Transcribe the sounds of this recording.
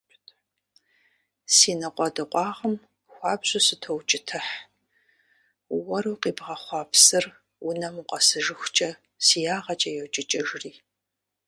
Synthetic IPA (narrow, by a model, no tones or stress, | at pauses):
siːnɐqʷʼɔdɨqʷʼɑːʁəm | xʷɑːbʑʼʊsɨtʰowt͡ʃʼɪtʰɨħ | wɔɾuːqiːbʁɐχʷɑːpsɨr | wʊnɐmɨqʷʼɐsɨʒɨxʷʊt͡ʃʼɐ | sijaːʁɐt͡ʃʼɐjɛwt͡ʃʼɪt͡ʃʼɐʒriː